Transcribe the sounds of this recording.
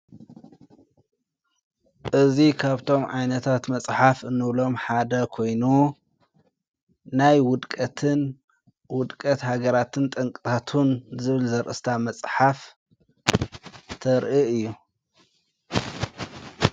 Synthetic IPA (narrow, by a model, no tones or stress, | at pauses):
ʔɨzikʰaβt̪ʰo̞mʕajnɐt̪ʰat̪mɐsʼħafɨnːɨβlo̞mħad̪ɐkʰo̞jnu | najwʊd̪kʼɐt̪ʰɨn | wʊd̪kʼɐt̪haɡɐɾat̪ʰɨnt̪ʼɨŋkʼɨt̪ʰat̪ʰunzɨβɨlzɐɾʔɨ̰st̪ʰamɐsʼħaf | t̪ʰɐɾʔiɨjːu